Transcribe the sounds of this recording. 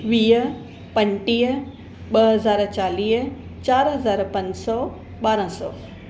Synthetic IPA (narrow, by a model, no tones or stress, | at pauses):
ʋiːə | pɐ̃ɲʈiːɦ | ɓɐɦɐzaːɾt͡ɕaːliːɦ | t͡ɕaːɾɦɐzaːɾpɐ̃ɲd͡ʑsɔː | ɓaːɾə̃sɔ̰ː